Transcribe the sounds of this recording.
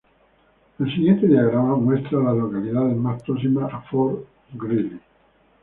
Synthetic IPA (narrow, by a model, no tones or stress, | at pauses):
elsiɣjent̪eðiaɣɾamamwest̪ɾalalokaliðaðelmat̪ːos̬imaafoɾ | ɡɾili